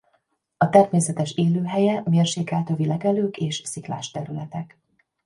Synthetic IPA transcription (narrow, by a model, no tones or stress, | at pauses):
ɒt̪ɛrmeːsɛt̪ɛʃeːløːɦɛjɛmeːrʃeːkɛːlt̪ovilɛɡɛløːkeːʃsikla̰ːʃt̪ɛɾylɛt̪ɛk